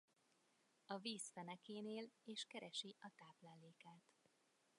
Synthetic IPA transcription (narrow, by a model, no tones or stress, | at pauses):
ɒviːsfɛnɛkeːneːleːʃkɛɾɛʃiʔɒt̪aːplaːleːkaːt̪